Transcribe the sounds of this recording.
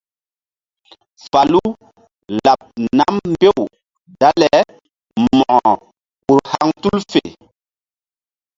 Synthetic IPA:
fa˨lu˦ | la˨p̚na˦mm˦be˦˨w | da˦lɛ˨ | mɔ˨ | u˨ɾha˦ŋtu˦lfe˨

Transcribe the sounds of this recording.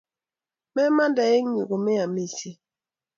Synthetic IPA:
mɛ˦ma˦ndɛ˨je˦ɲu˨ɡo˨me˦a˨mi˦˨si˦

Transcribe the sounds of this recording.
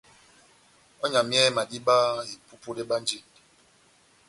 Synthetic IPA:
ɔ˦ɲa˨mjɛ˦ma˨di˦ba˦i˨pu˦pu˦le˦ɓa˦n˦d͡ʒi˦˨n

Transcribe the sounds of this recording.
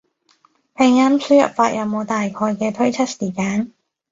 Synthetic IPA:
pʰe˨˩ŋaː˥msyː˥jɐ̰˨p̚faː˧t̚jʔɐ˨˧wmo˨˧wt̪aː˨jkʰɔː˧jkɛː˧t̪ʰɵ˥ɥt͡sʰɐ˥t̚siː˨˩kaː˨˥n

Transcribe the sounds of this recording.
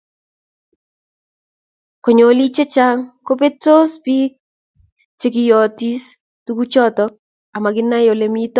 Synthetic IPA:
kɔ˨ɲo˨li˦t͡ʃe˦t͡ʃa˦ŋko˦pe˦to˦spi˦k̚ | t͡ʃe˨kɪ˨jɔ˨ti˦s | tu˦ɡu˦t͡ʃɔ˦tɔ˦k̚ | a˨ma˨ɡɪ˦nːa˦jo˨le˨mi˦tɔ˦

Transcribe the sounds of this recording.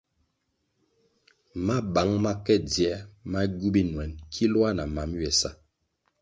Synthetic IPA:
ma˦ba˨˦ŋma˦kɛ˦djɛ˦ma˦ɟu˦bi˦nwɛ˨nkʰi˦lwa˦na˨ma˨˦mɥɛ˨sa̰˦˨

